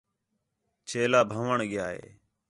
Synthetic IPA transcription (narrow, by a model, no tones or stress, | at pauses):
t͡ʃʰeːlaːbʱəʋəɳɠɪjaːɦḛː